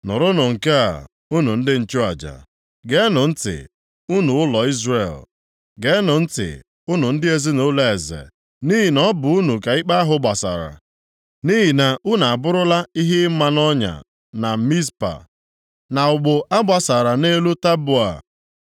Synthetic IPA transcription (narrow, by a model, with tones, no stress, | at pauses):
nʊ˨ɾʊ˦nʊ˨ŋ̩˨ke˦a̰˨ | u˦nu˨n̩˦dɪ˦n̩˨t͡ʃʊ˦a̰˨d͡ʒa̰˨ | ɡe˦nʊ˨n̩˦tɪ̰˨ | u˦nu˨ʊ˦lɔ˨i˦zrḛ˨l | ɡe˦nʊ˨n̩˦tɪ̰˨ | ʊ˦nʊ˨n̩˦dɪ˦e˦zi˦no˦le˨e˨zḛ˨ | ni˦ɦi˨nɔ˦bʊ˨u˦nu˨ka˨i˦k͡pa˦a˦ɦʊ˨ɡ͡ba˨sa̰˨ɾa̰˨ | ni˦ɦi˨na˨u˦na˨a˨bʊ˦ɾʊ˦la˦i˦ɦɪ˦m̩˦ma˨nɔ˦ɲa̰˨ | na˨mi˦spa̰˨ | na˨ʊ˨ɡ͡bʊ˨a˦ɡ͡ba˨sa˨ɾa˨ne˦lu˦ta˦bʊ˦˨a̰˨